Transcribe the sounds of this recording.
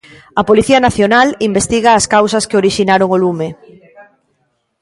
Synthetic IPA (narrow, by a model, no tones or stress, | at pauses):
ɐpoliθiɐnaθjonalimbest̪iɣaːskawsɐskeoɾiʃinaɾoŋolume